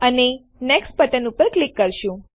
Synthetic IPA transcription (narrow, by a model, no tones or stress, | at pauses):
əne | nɛksʈpəʈənupəɾklikːəɾʃũ